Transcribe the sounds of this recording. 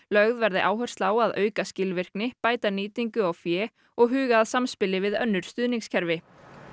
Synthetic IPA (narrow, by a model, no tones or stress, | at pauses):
lœɣðvɛɾðɪʔaːwɦœr̥st̪laːwaðʔœ̰ːɥkascɪlvɪr̥knɪpaːjt̪aniːt̪iŋkʏawfjɛː | ɔɣɦʏːɣaːðsamspɪlɪvɪðœnːʏɾ̥st̪ʏːðniŋkscʰɛɾvɪ